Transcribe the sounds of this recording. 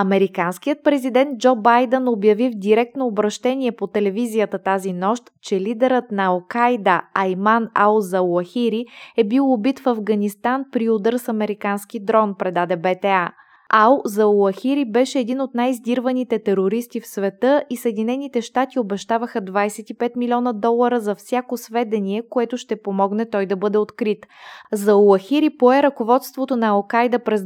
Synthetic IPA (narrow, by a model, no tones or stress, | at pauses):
ɐmɛɾikansk̟ijət̪̚pɾɛzid̪ɛnd̪̚d͡ʒɔbajd̪ənobjɐvivd̪ʲiɾɛk̚t̪noːbɾɐʃt̪ɛniɛpot̪ɛlɛvizijət̪ət̪azinɔʃt̪t͡ʃɛlid̪ɛɾət̪nɐɐlˠkajd̪əɐjmanalˠzɐuɐxiɾiɛbilˠobit̪fɐvɡɐnist̪anpɾiod̪əɾsɐmɛɾikansk̟id̪ɾɔnpɾɛd̪ad̪ɛbɛt̪ɛa | ʔalˠzɐuɐxiɾibɛʃɛːd̪inot̪najizd̪iɾvənit̪ɛt̪ɛɾoɾist̪ifsvɛt̪ɤʔisəɛd̪inɛnit̪ɛʃt̪at̪iobɛʃt̪avəxəd̪vajsɛt̪ipɛt̪milʲiɔnəd̪ɔlˠːɐɾəzɐfsʲjakosvɛd̪ɛnʲiɛkoɛt̪ʊʃt̪ɛpomɔɡnɛt̪ɔjd̪ɐbɤd̪ɛot̪kɾit̪zɐuɐxiɾipoɛɾɐkovɔt̪st̪vot̪onɐːlˠkajd̪əpɾɛz